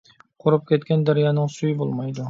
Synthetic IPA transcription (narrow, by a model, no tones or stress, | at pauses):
qʰoɾʊp̚kʲʰet̪kʲand̪aɾjanɪŋsʊjɪbolˠmajd̪ʊ